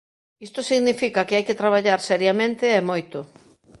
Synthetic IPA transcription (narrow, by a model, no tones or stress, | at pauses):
ist̪osiɣnifikakeajket̪ɾaβ̞aʎaɾsɛɾjamẽnt̪eɛmojt̪ʊ